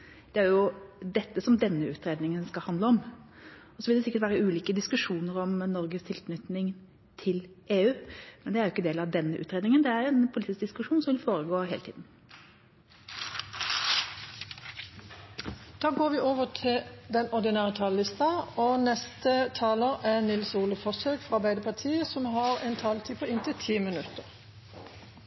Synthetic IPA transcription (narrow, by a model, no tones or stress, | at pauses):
d̪̥ɛæɾjʊd̪ɛt̪ːəsɔmd̪ɛnːəʉːt̪ɾeːd̪nɪŋənskɑlhɑnd̪ləɔm | ɔsɔʋɪld̪ɛsɪkət̪ʋæːɾəʉːliːkəd̪ɪskʉʂuːnəɾɔmnɔɾɡəst̪ʰɪlkʰnʏt̪nɪŋ | t̪ʰɪlʔeːʉːmɛnd̪ɛæɾjʊɪkːəd̪eːlɑʋd̪ɛnːəʔʉ̰ːt̪ɾeːd̪nɪŋənd̪ɛæɾɛnpʰʊliːt̪ɪsk̚d̪ɪskʉʂuːnsɔmʋɪlfoːɾəɡoːɦeːlət̪ʰḭːd̪n̩ | d̪̥ɑːɡoːʋiːʔoːʋət̪ʰɪld̪ɛnɔʁd̪ɪnæːʁət̪ʰɑːləlɪst̪ɑoːnɛst̪ət̪ʰɑːləʁænɪlsuːləfɔsøːkfɔʁɑʁbæɪd̪əpʰɑt̪ʰiːəsɔmɦɑʁɛnt̪ʰɑːlt̪ʰiːpʰɔɪnt̪ʰɪt̪ʰiːmɪnʉt̪əʁ